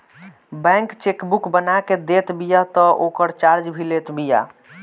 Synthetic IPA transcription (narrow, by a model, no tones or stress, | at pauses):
bɛ̃ŋkt͡ʃekbukbənaked̪et̪bijat̪ɔʔokəɾt͡ʃaɾd͡ʒbʱilet̪bija̰